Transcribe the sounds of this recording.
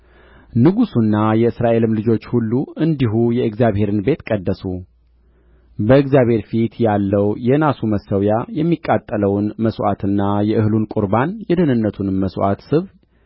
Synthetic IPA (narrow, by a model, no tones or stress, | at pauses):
nɨɡusunːajɛɨsɾaʔe̞lɨmlɨd͡ʒo̞t͡ʃːhulːuɨnd̪iɦujɛɨɡzjaβhe̞ɾɨnbe̞t̪kʼəd̪ːəsu | bəɨɡzjaβhe̞ɾfit̪jalːəwjɛnasuməsəwjajɛmːikʼːat̪ʼːələwnməswʔat̪ʰɨnːajɛʔɨhɨlunkʼuɾbanjɛd̪ənɨnːət̪ʰunməswʔa̰t̪sɨβ